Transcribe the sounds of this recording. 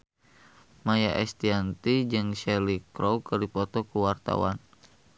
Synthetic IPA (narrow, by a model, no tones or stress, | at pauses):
majaʔɛst̪iant̪id͡ʒɨŋʃɛlikɾowkɨrdipɔt̪ɔkuwart̪a̰wa̰n